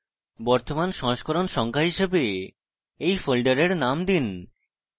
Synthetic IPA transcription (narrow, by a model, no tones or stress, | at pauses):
bɔɾt̪omanʃɔʃkɔɾonʃɔŋkʰaɦiʃebe | ejfolɖeɾeɾnamd̪in